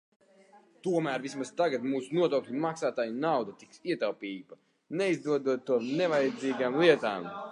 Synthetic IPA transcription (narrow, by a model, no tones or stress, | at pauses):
t̪uɔmæːɾvismast̪aɡat̪muːsunuɔt̪ɔwklʲimaksaːt̪aːjunawd̪at̪i̥ksiɛt̪awpʲiːba | neizd̪uɔd̪uɔt̪ːuɔmnɛvajɛd̪ziːɡaːmlˠiɛt̪aːm